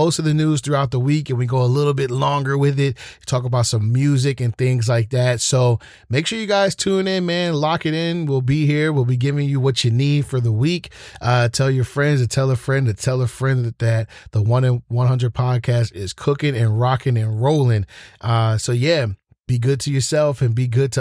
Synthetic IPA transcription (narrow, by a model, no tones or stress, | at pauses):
oʊstʌvðɨnʉz̥θɹuaʊt̪̚ðəwikɨ̃nwiɡoʊəlɪɾl̩ˠbɪtˡlɔ̃ŋɡə˞wɪðɪt̚tʰɔkəbaʊtsʌ̃mjʉzɨkɨ̃nθɪ̃ŋzlaɪk̚ðætsoʊ | meɪkʃʊɹjɨɡaɪz̥tʰũnɪ̃nmæ̃nlɑkɨɾɪ̃nwɪlˠbihiɹwɪlˠbiɡɪvɪ̃ŋjɨwʌt͡ʃɨnid̥fə˞ðəwikʔʌtʰɛlˠjə˞fɹɛ̃ndzɨtʰɛlˠə˞fɹɛ̃nɨtʰɛlˠə˞fɹɛ̃nðɨt̪̚ðəwʌ̃nɨ̃wʌ̃nɦʌ̃ndəd̚pʰɑd̚kʰæstɪz̥kʰʊkɪ̃ŋɨ̃nɹɑkɪ̃ŋɨ̃nɹoʊlˠɪ̃ŋʔʌsoʊjæ | b̥iɡʊd̚tʰɨjə˞sɛlˠfɨ̃nbiɡʊd̚tʰɨ